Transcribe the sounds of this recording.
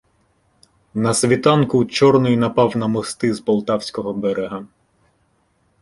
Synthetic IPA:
nɐsʲʋʲit̪ɑnkʊt͡ʃɔrnɔjnɐpɑwnɐmɔst̪ɪzpɔlˠt̪ɑwsʲkɔɦɔbɛɾeɦɐ

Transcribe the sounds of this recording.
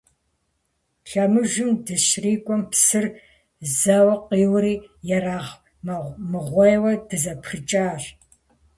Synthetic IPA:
ɬɐmɨʒɨmdɨɕriːkʷʼɔmpsɨr | zɐwɐqiːwɾiːjɛɾaːʁ | mɐmɨʁʷɔjwɐdɨzɐpxɨt͡ʃʼaːʒ

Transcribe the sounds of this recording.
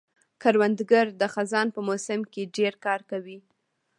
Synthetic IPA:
kaɾwand̪ɡaɾd̪əxazɑnpəmosɪmkeɖeɾkɑɾkawi

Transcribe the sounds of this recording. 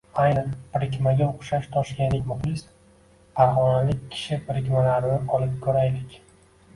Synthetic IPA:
ajnɨpʰɾɪk̬ʲmaɡʲaoqʃaʃt̪ʰɒʃkʲanlɪkʲmʊχlɪs | pʰaɾχɒnalɪkʲkʰːɪ̥ʃɪpʰɾɪkʲmalaɾɪnɪɒlɪp̚kʰɵɾajd̪ɪkʲ

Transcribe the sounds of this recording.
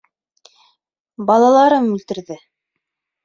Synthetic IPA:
bɑlˠɑlˠɑɾɤmʉlt̪ɘ̆ɾðɘ

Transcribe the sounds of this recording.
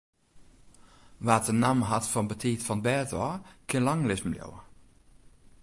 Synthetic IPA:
ʋaːtənamɦatfɔnbətʰiːtfɔnbɛtɔkʰɪnlaŋlɪsm̩ljo̰wə

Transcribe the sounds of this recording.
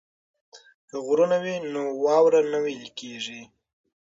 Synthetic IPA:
kəɣɾunawinowɑwɾanawelkeʐi

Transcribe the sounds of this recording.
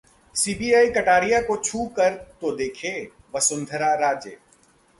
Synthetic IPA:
siːbiːaːikɐʈaːɾijakot͡ʃʰuːkɐɾt̪od̪eːkʰeː | ʋɐsʊ̃nd̪ʱəɾaɾaːd͡ʒjə̰

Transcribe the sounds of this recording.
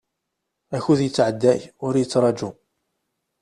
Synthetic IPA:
æçuðjət͡sːʕəd̪ːæjʊɾjət͡sːɾˤɑd͡ʒu

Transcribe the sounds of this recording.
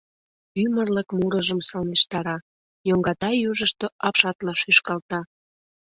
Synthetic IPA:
ymərləkmuɾəʒəmsɑlneʃt̪ɑɾɑ | joŋɡɑt̪ɑjuʒəʃt̪oɑpʃɑt̪lɑʃyʃkɑlt̪ɑ

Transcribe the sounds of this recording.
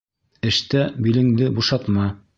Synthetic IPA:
ɘ̆ʃt̪æbilɘ̆ŋd̪ɘbuʃɑt̪mɑ

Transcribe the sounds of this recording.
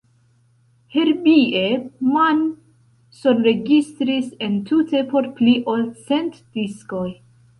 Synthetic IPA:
heɾbieman | sonɾe̞ɡist̪ɾise̞ntʰute̞po̞ɾpliʔolt͡se̞ntd̥isko̞j

